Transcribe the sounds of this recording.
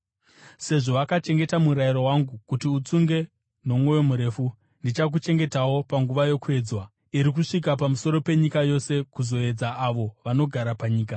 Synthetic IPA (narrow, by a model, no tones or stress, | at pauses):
se̞ʐo̞akat͡ʃe̞ŋɡe̞tamuɾajiɾo̞waŋɡukutiut͡suŋɡe̞ | no̞mwo̞jo̞muɾe̞ːfu | ndit͡ʃak̬ut͡ʃe̞ŋɡe̞tawo̞paŋɡuʋajo̞kue̞ːd͡zwa | iɾik̬uʂik̬apamuso̞ɾo̞pe̞ɲikajo̞se̞kuzo̞e̞d͡zaaʋo̞ʋano̞ɡʱaɾapaɲiːk̬a